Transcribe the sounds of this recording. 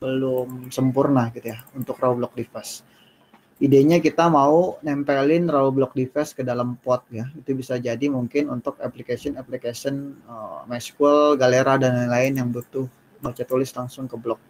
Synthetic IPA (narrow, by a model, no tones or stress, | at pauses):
bəlʊmsəmpurnaɡit̪ujaunt̪ʊkraublɔk̚difɛs | ʔideɲakit̪amaunɛmpelɪnraublɔk̚difɛskədalampɔt̪̚jait̪ubisad͡ʒadimuŋkɪnunt̪ʊkaplikasiɔnaplikasiɔnəmaskəlɡaleɾadanalaɪnjaŋbut̪ʊh | bət͡ʃat̪ulɪslaŋsʊŋkəblɔk̚